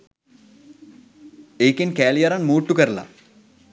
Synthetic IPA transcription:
eːkinkæːlijɐɾɐnmuːʈːukəɾla̰

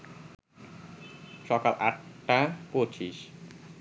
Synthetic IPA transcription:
ʃɔkalʔaʈːapoɾt͡ɕiʃ

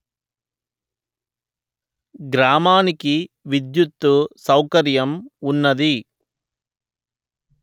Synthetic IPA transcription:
ɡɾaːmaːnikiʋid̪jut̪ːusɐwkɐɾjɐmunːɐd̪i

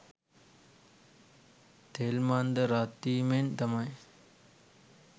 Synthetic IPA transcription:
t̪eːlmaːnd̪ɐɾaːt̪iːment̪ɐmaj

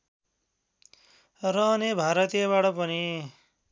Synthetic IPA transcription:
rʌnebʱaɾʌt̪ijʌβaʈʌpʌni

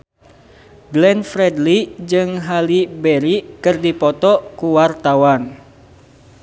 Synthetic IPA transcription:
ɡlɛnfɾɛdlid͡ʒɨŋɦalibɛɾikɨrdipɔt̪ɔkuwart̪awan

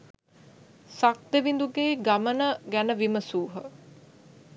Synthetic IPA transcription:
sak̚d̪eʋind̪uɡeːɡamənəɡænəʋiməsuːɦə

